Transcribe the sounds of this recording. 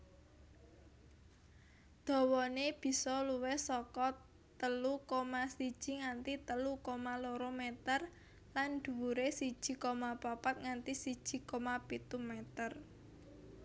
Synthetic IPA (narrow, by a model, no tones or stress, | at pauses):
d̪̥ɔ̤wɔneb̥i̤sɔluwehsɔkɔ | t̪əlukomasid̥ʒ̥i̤ŋant̪it̪əlukomaloɾomet̪ər | lanɖ̪̥ṳwuɾesid̥ʒ̥i̤komapapat̪̚ŋant̪isid̥ʒ̥i̤komapit̪umet̪ər